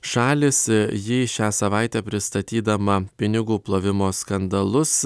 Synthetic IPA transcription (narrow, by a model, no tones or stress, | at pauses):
ʃɑːlʲɪsjɪʃʲæːsɐʋɑɪt̪ʲɛːpʲɾʲɪst̪ɐt̪ʲiːd̪ɐmɐpʲɪnʲɪɡuːplˠoːʋʲɪmoːskɐnd̪ɐlˠʊs